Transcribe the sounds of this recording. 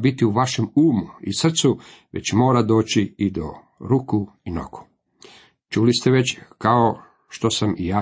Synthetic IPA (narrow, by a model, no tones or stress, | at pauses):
bit̪iuʋaʃe̞muːmuisr̩t̪su | ʋe̞̰t͡ɕmo̞ːɾad̪o̞ːt͡ɕiid̪o̰ | ɾuku | ino̰ku̥ | t͡ʃulist̪eʋe̞t͡ɕkao | ʃt̪o̞samijaː